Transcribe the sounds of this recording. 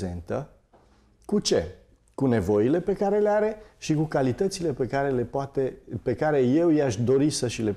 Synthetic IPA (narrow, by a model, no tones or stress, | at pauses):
ze̞̰nt̪ə | kut͡ʃe̞ | kune̞vo̞ile̞pe̞kaɾe̞leaɾe̞ʃikukalit̪ət̪sile̞pekaɾe̞lepat̪epe̞kaɾe̞je̞wijaʃd̪o̞ɾisəʃile̞